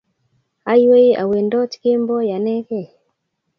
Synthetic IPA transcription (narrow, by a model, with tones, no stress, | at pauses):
a˦i˦we˦i˦a̰˨we˨ndɔ˦t͡ʃi̥˨ke˦mbɔ˦ja˨nɛ˦kɛ˦˨